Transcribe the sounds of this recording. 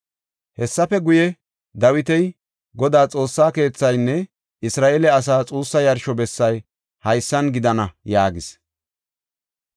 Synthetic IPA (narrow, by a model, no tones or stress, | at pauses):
hɛsːɐfɛɡʊjɛ | d̪ɐwɪt̪ɛj | ɡɔd̪aːt͡sʼo̞ːsːaːke̞ːt͡sːɐjnːɛ | ɪsɾaːʔelɛɐs̬aːt͡sʼuːsːɐjɐɾʃɔbɛsːɐj | hɐjsːɐnɡɪd̪ɐnɐjaːɡɪs